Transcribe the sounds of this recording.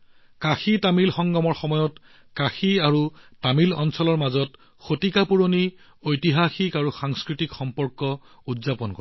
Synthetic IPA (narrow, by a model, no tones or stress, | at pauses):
kaxitamilxɔŋɡɔmɔɹxɔmɔjɔt | kaxiaɹutamilɔnsɔlɔɹmazɔt | xotikapuɹoni | ojtiɦaxikaɹuxaŋskɹitikxɔmpɔɹkɔ | udzapɔnkɔɹ